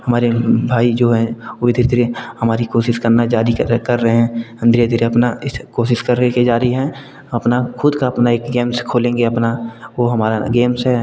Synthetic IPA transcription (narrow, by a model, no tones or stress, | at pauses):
hɐmaːɾebʱaːid͡ʒoːɦɛ̃ʊd̪ʱɪɾd̪ʱɾehəmaːɾikoːʃɪʃkəɾnad͡ʒaːɾikɐɾːəɦeɦɛ̃ːə̃nd̪ʱɾed̪ʱɪɾeɐpnaɪskoːʃɪʃkɐɾːəked͡ʒaːɾiɦɛ̃ | ɐpnakʰʊd̪kaɐpnaeːkɡeːmskʰoːlẽːŋɡeɐpnaʋoɦɐmaːɾaɡeːmsɦɛ